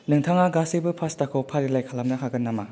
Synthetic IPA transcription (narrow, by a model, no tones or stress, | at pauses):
nɯŋtʰaŋaɡasebɯpʰastakʰɔpʰaɾilajkʰalamnɐɦʰaɡɯnːama